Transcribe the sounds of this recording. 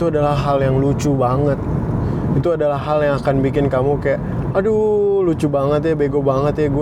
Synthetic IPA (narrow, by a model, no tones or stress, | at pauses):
t̪uadalaɦaljaŋlut͡ʃubaŋət̪̚it̪uadalahɦaljaŋakanbikɪnkamukajaʔ | adulut͡ʃubaŋət̪̬jabeɡobaŋət̪jaɡu